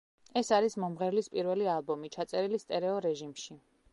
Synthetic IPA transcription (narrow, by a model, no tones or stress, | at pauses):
ɛsaɾismɔmʁɛɾlispʼiɾvɛlialˠbɔmit͡ʃʰat̪sʼɛɾilist̪ʼɛɾɛɔɾɛʒimʃi